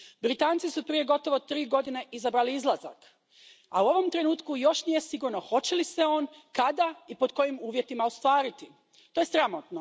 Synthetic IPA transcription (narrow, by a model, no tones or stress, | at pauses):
bɾit̪aːnt̪sisupɾije̞ɡo̞t̪o̞ʋo̞t̪ɾiːɡo̞d̪ine̞ʔizabɾaliizlˠaza̰k | auo̞ʋo̞mt̪ɾe̞nuːt̪kujo̞ʃnije̞siɡuɾno̞xo̞t͡ɕe̞lise̞o̞ːnkad̪aipo̞d̪ko̞jimuːʋje̞t̪imaost̪ʋaːɾit̪i | t̪oje̞sɾamot̪no